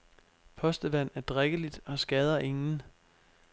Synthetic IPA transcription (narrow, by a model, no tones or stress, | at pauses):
pʰɒ̽sd̥əʋæn̰æɐd̥ʁeɡ̥əlid̥ɒ̽sɡ̥ɛːð̞ˠɐʔe̝ŋn̩